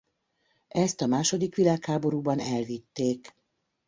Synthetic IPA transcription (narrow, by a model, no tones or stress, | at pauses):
ɛst̪ɒmaːʃo̞d̪ikʋilaːkhaːbo̞ɾuːbɒnɛlvit̪ːeːk